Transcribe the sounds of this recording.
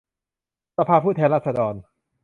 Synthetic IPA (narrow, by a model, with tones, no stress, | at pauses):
sa˧pʰaː˧pʰuː˥˩t̪ʰɛː˧nɾaː˥˩t̪̚sa˧dɔː˧n